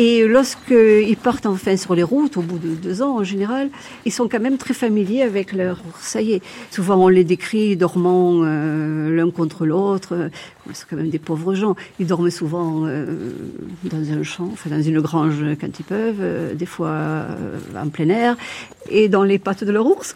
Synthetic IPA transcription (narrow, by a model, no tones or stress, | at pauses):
elɔʁskəilpaʁt̪ɑ̃fɛ̃syʁleʁut̪obud̪əd̪øzɑ̃ɑ̃ʒeneʁal | ilsɔ̃kɑ̃mɛmt̪χɛfamiljeavɛklœʁʁsajesuvɑ̃ɔ̃led̪ekχid̪ɔʁmɑ̃ølɛ̃kɔ̃t̪χəlot̪χkɔmilsɔ̃kɑ̃mɛmd̪epɔvʁəʒɑ̃ild̪ɔʁmsuvɑ̃ø̰ | d̪ɑ̃zɛ̃ʃɑ̃ɑ̃fɛ̃d̪ɑ̃zynəɡʁɑ̃ʒkɑ̃t̪ilpœvød̪efwa̰ | ɑ̰̃plɛnɛʁ | ed̪ɑ̃lepat̪d̪əlœʁuʁs